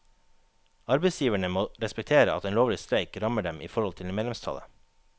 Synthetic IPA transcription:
ɑɾbeɪsjiːʋæɳəmoːɾɛspɛk̚t̪ʰeːɾəɑ̰t̪eːnloːʋlɪst̪ɾæɪkɾɑməɖɛmʔḭːfɔɾhɔlt̪ʰɪlmeːd̪lɛmst̪ʰɑ̰lə̰

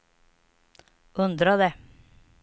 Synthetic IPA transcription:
ʔʉnd̪ɾɑd̪eː

